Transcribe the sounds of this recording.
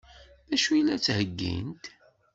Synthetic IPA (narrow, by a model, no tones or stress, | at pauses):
ðæʃujlːæt͡sːhəɡːḭnt̪